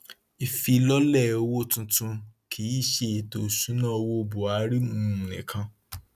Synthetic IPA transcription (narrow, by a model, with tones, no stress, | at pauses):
i˨fi˧lɔ˦lɛ˦˨o˧wo˦tũ˧tũ˧kʰi˨˦i˦˨ʃe˧˨to˧˨su˨˦nã˦˨o˧wo˦˧bu˨a˨˦ɾi˦mũ˦˨nɛ̰̃˨kʰã˧